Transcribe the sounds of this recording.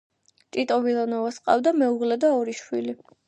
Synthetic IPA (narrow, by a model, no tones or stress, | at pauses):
t͡ʃʼit̪ʼɔvilˠanɔvasqʼa̰vd̪amɛuʁlɛd̪aɔɾiʃwili